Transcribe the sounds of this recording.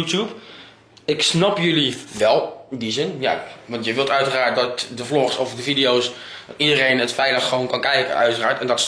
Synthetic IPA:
utup | ɪksnapjøliʋɛlˠdizɪnja̰ʋɑntjəʋɪlˠtœɥtəraːɹt̚dɔtdəflɔχsɔfdəfidijows | tidəreːnətfɛjləxːəʋoːnkɔnkɛjkə̰œ̰ɥtəraːɹtɛndɔts

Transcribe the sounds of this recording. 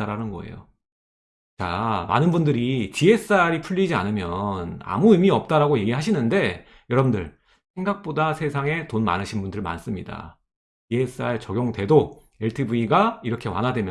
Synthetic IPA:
aɾanɯnɡʌe̞̰jo̰ | t͡ɕa̰ma̰nɯnbundɯɾitie̞s͈aɾipʰuɭʎːid͡ʑia̰nɯmjʌna̰muimiʌp̚t͈aɾaɡoje̞ɡiɭɦaɕ̬ʰinɯnde̞ | jʌɾʌbundɯɭ | sʰe̞ŋɡak̚p͈odasʰe̞sʰaŋe̞tonma̰nɯɕʰinbundɯɭma̰ns͈ɯmɲida̰ | tie̞s͈aeɭt͡ɕʌɡjoŋte̞do | e̞ɭtʰɯbuiɡaiɾʌkʰe̞wa̰nɦadwe̞mjʌ

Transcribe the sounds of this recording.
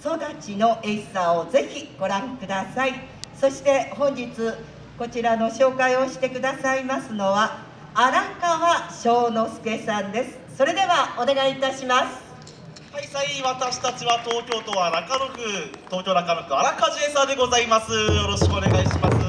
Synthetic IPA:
so̞d̪at͡ɕino̞ʔesaoze̞çʲiɡ̥o̞ɾãŋkɯ̟d̪asai | so̞ɕi̥t̪e̞hõ̞ɲ̟d͡ʑit͡sɨ | ko̞t͡ɕiɾano̞ɕo̞ːkaio̞ɕi̥t̪e̞kɯ̟d̪asaimasɨno̞βaː | ɾakaβaɕo̞ːno̞sɨ̥ke̞sãnd̪e̞sɨ̥so̞ɾe̞d̪e̞βao̞ne̞ɡait̪aɕimasɨ̥ | haisaiβat̪aɕi̥t̪at͡ɕiβat̪o̞ːkʲo̞ːt̪o̞aɾakaɾɯkɯ̟t̪o̞ːkʲo̞ːnakaɾɯkɯ̟aɾakad͡ʑiesãd̪eɡo̞zaimasɨjoɾo̞ɕi̥kɯ̟one̞ɡaiɕimasɨ

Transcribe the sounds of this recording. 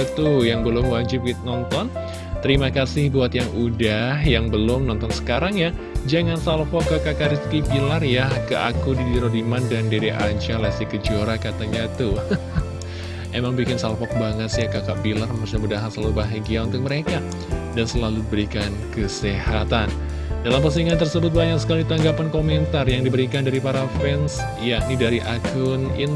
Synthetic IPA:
t̪ujaŋbəlʊmwad͡ʒɪp̚kit̪nɔnt̪ɔn | t̪əɾimakasɪhbuat̪jaŋudaɦjaŋbəlʊmnɔnt̪ɔnsə̥kaɾaŋja | d͡ʒaŋansalfɔkːəkaʔkaɾist̪kibilarjakəʔa̰kudiɾiɾodimandandiɾiʔaɲt͡ʃalasikəd͡ʒoɾakat̪aɲat̪u | emaŋbikɪnsalfɔk̚baŋət̪sjakakaʔbilarməkusuɲamudaɦansalubaɦaɡiaunt̪ʊk̚məɾeka | dansəlaludibəɾikankəsehat̪an | dalampərs̬iŋant̪ərsəbʊt̪̚baɲak̚sə̥kalit̪aŋɡapankoment̪arjaŋdibəɾikandaɾipaɾafɛns | jaʔnidaɾiʔakʰʊnɪn

